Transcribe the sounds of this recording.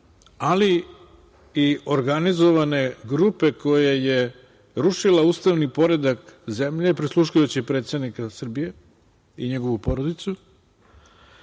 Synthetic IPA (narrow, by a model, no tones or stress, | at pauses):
ali | io̞ɾɡanizo̞ʋane̞ɡɾupe̞ko̞jeje | ɾuʃilauːst̪aʋnipo̞ɾe̞d̪akze̞mʎe̞pɾislˠuʃujut͡ɕipɾet̪st̪ed̪nikasr̩bije̞ | iɲeɡo̞ʋupo̞ɾod̪it̪su